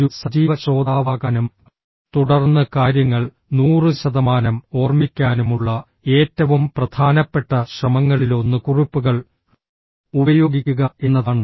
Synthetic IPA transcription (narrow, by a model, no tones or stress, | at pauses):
usɐd͡ʑiːʋɐt͡ɕo̞ːd̪aːʋaːɣaːnum | t̪uɽɐrnːɐkaːɾjɐŋːɐɭ | nuːrɨɕɐðɐmaːnɐmo̞ːrmikʲːaːnumuɭːɐ | e̞ːtːɐʋumprɐd̪ʱaːnɐpːe̞ʈːɐɕrɐmɐŋːɐɭilo̞nːɨkurupːuɣɐɭ | ubɐjo̞ːɡikʲːuɣɐe̞nːɐðaːɳɨ